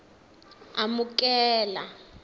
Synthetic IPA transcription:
amukʼɛːla

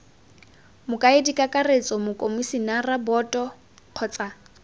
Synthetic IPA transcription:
mʊkʼaɪdikʼakʼaret͡sʼɔmʊkʼomusinarabɔtʼɔ | q͡χʰɔːt͡sʼa

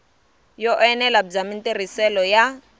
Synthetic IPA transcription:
jɔʔɛnɛlab͡ʐaminter̤isɛlɔja

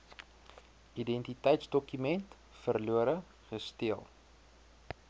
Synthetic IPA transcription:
idɛntitəjtsdɔkymɛnt | fərluəɾə | χəstiəlˠ

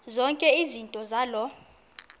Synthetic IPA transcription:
zɔŋkʼɛizintʼɔzalɔ

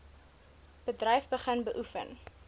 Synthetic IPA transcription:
b̥ədrɛjfbəχənbəʔufə̰n

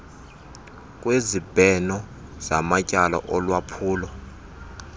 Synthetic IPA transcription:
k̬ʼwezib̥ʱɛnɔ | z̥amacʼalɔ̰ʔɔlwapʰuːlɔ

